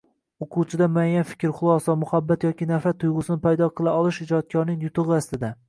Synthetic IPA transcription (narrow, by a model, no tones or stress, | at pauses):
oqʰut͡ʃʰɪd̪amʊajanfɪ̥kʲɾχʊlˠɒsɒmʊhabːat̪jɒkʲʰɪnafat̪ʰːʊjʁʊsɪnɪpʰajd̪ɒqʰɨlˠaɒlˠɪʃɪd͡ʒɒt̪̚kʲʰɒɾnɪŋjʊt̪ʰɨʁɨast̪ɪd̪a